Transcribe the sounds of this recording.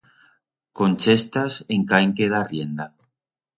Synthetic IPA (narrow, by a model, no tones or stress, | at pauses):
konʲt͡ʃest̪aseŋkaeŋkeðarjend̪a